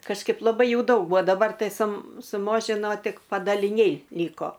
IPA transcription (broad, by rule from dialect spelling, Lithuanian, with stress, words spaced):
kɐʃˈkɐɪp lˠɐˈbɐɪ ˈjuː ˈdɐʊk ˈbuɔ ˈdɑːbɐr ˈtɐɪ sʊ sʊˈmoːʒʲɪnoː ˈtʲɪk pɐdɐlʲɪˈnʲɛɪ ˈlʲiːkoː